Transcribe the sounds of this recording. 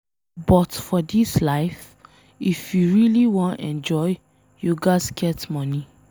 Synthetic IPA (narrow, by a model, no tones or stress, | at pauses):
bɔtfɔdislaɪf | ifjuɹiliwɔ̃ntɛ̰̃nd͡ʒɔj | juɡasɡɛtmɔni